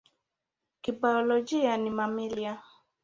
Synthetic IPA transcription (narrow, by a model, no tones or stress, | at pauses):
kibaɔlod͡ʒianĩmamilja